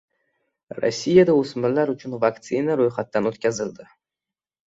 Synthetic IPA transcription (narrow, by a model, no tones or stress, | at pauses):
ro̰sʲːijad̪ausmɪlaɾʊt͡ʃʰʊnvakt̪sɨnaɾojχat̪ːanot̪kʲazɪld̪ɪ